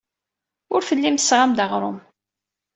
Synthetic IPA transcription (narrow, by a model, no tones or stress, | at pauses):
ʊɾfəlːimsːʁamd̪əʁɾˤom